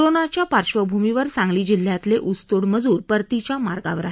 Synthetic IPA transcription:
ɾonat͡ɕjapaɾɕʋəbʱumiʋəɾsãŋɡliːd͡ʑil̤ːjat̪leʔust̪oɽməd͡zuːɾpəɾt̪it͡ɕjamaɾɡa̰ʋəɾaɦe

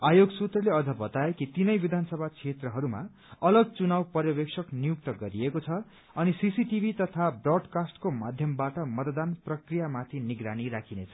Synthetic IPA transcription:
ajoɡsut̪rʌleʌd͡zʌbʌt̪aekit̪inʌjbid̪ʱanʌsʌbʱat͡sʰet̪rʌɦʌɾuma̰ | ʌlʌɡ̚t͡sunawpʌɾjʌbeksʰʌknijuk̚t̪ʌɡʌɾiekot͡sʰʌ | ʌnisisiʈibʱit̪ʌt̪ʰabrʌɖkasʈkomad̪ʱjʌmbaʈʌmʌt̪d̪anprʌkrijamat̪ʰiniɡɾaniɾakʰinet͡sʰʌ̥

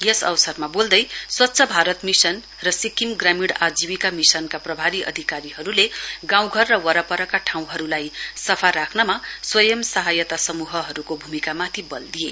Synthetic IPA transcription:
jʌsʌ̰wsʌrmabold̪ʌjswʌtːsʰʌbʱaɾʌt̪misʌn | rʌsikimɡramiɽad͡ziwikamisʌnkaprʌbʱaɾiʔʌ̰d̪ʱikaɾiɦʌɾuleɡãw̃ɡʱʌrːʌwʌɾʌpʌɾʌkaʈʰãw̃ɦʌɾulajsʌpʰaɾakʰnʌmaswʌjʌmsʌɦajʌt̪asʌmuɦʌɦʌɾukobʱumikamat̪ʰibʌ̰ld̪ije

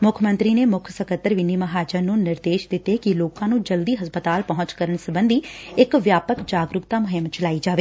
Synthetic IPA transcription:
mʊkʰmə̃nt̪ɾiːneːmʊkʰsəkət̪ːəɾʋɪnːiːməɦaːd͡ʒəɾnũːnɪɾd̪eːʃd̪ɪt̪eːkɪloːkãːnũːd͡ʒəld̪iːɦəspət̪aːlpəɦʊ̃t͡ʃkəɾəɳsəbənd̪iːɪkʋjaːpəkd͡ʒaːɡɾʊkt̪aːmʊɦɪmt͡ʃəlaːiːd͡ʒaːʋeː

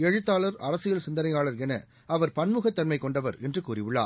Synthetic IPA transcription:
ɛɻɯt̪ːaːlɐɾɐɾɐsɪjɐɭsɪnd̪ɐnɐɪaːɭɐɾɛnɐ̰ | ɐʋɐɾpɐnmɯɣɐt̪ːɐnmɐɪkɔɳɖɐʋɐ̰ɾɛndrɯkuːrɪʋɪɭːa̰ː

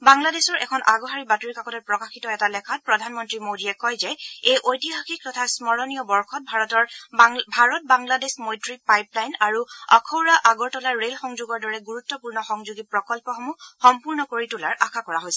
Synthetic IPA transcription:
baŋladesɔɹʔɛkʰɔnʔaɡɔɦaɹibatuɹikakɔtɔt̚pɹɔkaxitɔɛtalɛkʰat̚pɹɔdʱanmɔntɹimodiɛkɔjzɛejʔojtiɦaxik̚tɔtʰasmɔɹɔnijɔbɔɹxʰɔt̚bʱaɹɔtɔɹbʱaɹɔt̚baŋladesmojtɹipajplajnaɹuakʰɔwɹaʔaɡɔɹtɔlaɹːelxɔŋzʊɡɔɹdɔɹɛɡuɹutːɔpuɹnɔxɔŋzuɡipɹɔkɔlpɔxɔmuxɔmpuɹnɔkoɹitʊla̰ɹakʰakɔɹaɦojsɛ

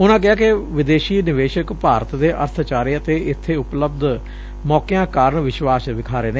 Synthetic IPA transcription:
ʊnãːk̬ɪaːkɪʋɪd̪eːʃiːnɪʋeːʃəkpaːɾət̪d̪eːʔə̰ɾt̪ʰt͡ʃaːɾiːət̪eːɪt̪ʰːeːʊpləbd̪ | mɔːkejãːkaːɾəɳʋɪʃwaːsʋɪkʰaːɾeːneː

